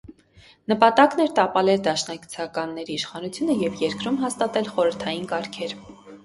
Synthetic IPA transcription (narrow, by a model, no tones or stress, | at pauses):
nəpɑt̪ɑknɛɾt̪ɑpɑlɛɾd̪ɑʃnɑki̥t͡sʰɑkɑnːɛɾiːʃχɑnut͡sʰjunəjɛvjɛɾkɾumɦɑst̪ɑt̪ɛlχɔɾəɾt̪ʰɑjinkɑɾkʰɛɾ